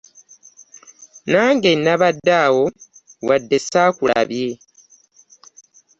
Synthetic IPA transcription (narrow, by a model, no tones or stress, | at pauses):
naːŋɡenːaβadːaːwo̞wadːesaːkula̰βje